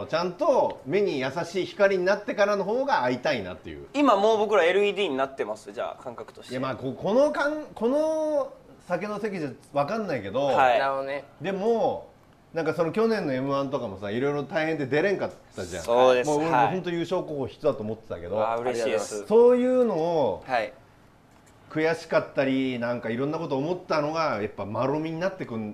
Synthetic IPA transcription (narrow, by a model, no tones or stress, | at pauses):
t͡ɕãnt̪o̞me̞ɲ̟ijasaɕiːçi̥kaɾʲiɲ̟inat̪ːe̞kaɾano̞ɦoːɡaːit̪aina̰t̪ːe̞̰jɯ̰ːimamoːbo̞kɯ̟ɾaeɾɯ̟iːd̪iːɲ̟inat̪ːe̞masɨd͡ʑa̰ːkʰãŋkakɯ̟̥t̪oɕjamaːkoko̞no̞kãŋko̞no | sakeno̞se̞k̬ʲiʑaβakãnːaike̞d̪o̞aianed̪e̞mo | nãŋkaso̞no̞kʲo̞nẽ̞nːoe̞mɯ̟ãnt̪o̞kamo̞saiɾo̞iɾo̞t̪aihẽ̞nd̪ed̪e̞ɾẽ̞ŋkaː | aʑã̰odemooɾemoɦõ̞nt̪̬ojɯ̟ːɕo̞ːkoːhoːçi̥tod̪at̪oːmot̪ːet̪a̰ke̞d̪oɾesso̞ːjɯ̟ːno̞ːai | kɯ̟jaɕi̥kat̪ːaɾʲinãŋkaiɾõ̞nːako̞t̪̬oːmo̞t̪ːano̞ɡajapːamaɾo̞mʲiɲ̟inat̪ːe̞kɯ̟̃n